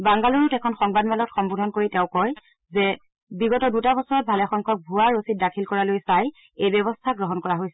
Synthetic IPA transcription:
baŋɡaloɹutɛkʰɔnxɔŋbadmɛlɔtxɔmbodʱɔnkoɹitɛʊ̃kɔj | zɛ | biɡɔtɔdutabɔsɔɹɔt̚bʱalɛxɔŋkʰɔk̚bʱuaɹosit̚dakʰilkɔɹalojsaj | ejbɔbɔstʰaɡɹɔɦɔnkɔɹaɦojsɛ

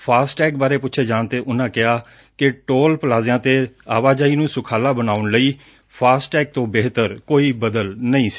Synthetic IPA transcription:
pʰaːsʈɛːkbaːɾeːpʊtːʃʰeːd͡ʒaːɳt̪eːʔʊnãːkɪaː | kɪʈoːlpəlaːzjãːt̪eːa̰ːʋaːd͡ʒaːiːnũːsʊkʰaːlaːbənaːʊɳləiː | pʰaːsʈɛːk̚t̪õːbeːɦt̪əɾkoːiːbəd̪əlnəĩːs

